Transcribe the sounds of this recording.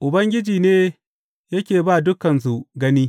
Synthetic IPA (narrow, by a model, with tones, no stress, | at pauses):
ʔʊ˨bɐ˦ŋɡʲɪ˦d͡ʒiː˨neː˦ | jɐ˦kʲeː˨baː˦dʊ˦kɐ˨ns̬u˨ɡɐ˦niː˦